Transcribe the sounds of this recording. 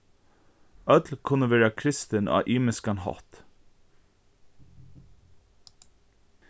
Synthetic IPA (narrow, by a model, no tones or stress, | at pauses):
œd̪lkʰʊnəʋæːɹɑkʰɾɪst̪ənʔɑ̰ːʔiːməskɑnhɑ̰t̪